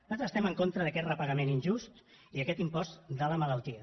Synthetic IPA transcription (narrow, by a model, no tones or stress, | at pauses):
t̪at̪zəst̪ɛməŋkont̪ɾəðəkɛt̪rəpəɣəmeninʲʒust̪ | iəkɛt̪impɔst̪d̪ələmələlˠt̪iə